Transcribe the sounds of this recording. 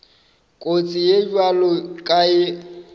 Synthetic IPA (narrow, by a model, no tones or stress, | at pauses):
kʼot͡sʼɪjed͡ʒwalɔkʼaɪ